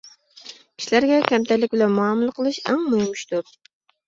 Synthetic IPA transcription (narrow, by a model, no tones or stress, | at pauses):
kʲʰi̥ʃilæɾɡʲɛkʲʰɛmt̪ʰɛlɪk̚ʲbɪlɛnmuɑmulˠəqʰəlˠɨʃɛ̰ŋmujmuʃt̪uɾ